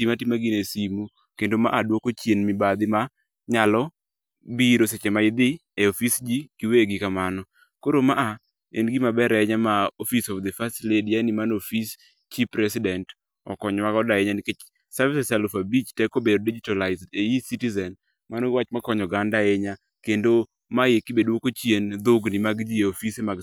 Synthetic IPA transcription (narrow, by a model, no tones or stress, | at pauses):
imatimaɡinesimu | kendoma̰ʔadwokot͡ʃjenmɪbad̪ɪma | ɲalɔ | biɾoset͡ʃemaɪd̪ɪeofisd͡ʒikiweɡɪkamanɔ | koɾomaʔa | ḛnɡɪmabɛɾɛɲamaofisɔfd̪ɛfastledianimanofis | t͡ʃipɾɛsɪdɛnt | ɔ̰kɔɲwakɔdaɛɲanɪket͡ʃ | savisɛsalufabit͡ʃtɛkobedodid͡ʒitalaɪzdeisitizɛn | manowat͡ʃmakɔɲɔɡandaeɲa | kendo | majekɪbedwokot͡ʃjend̪oɡnimaɡd͡ʒieofisemaɡ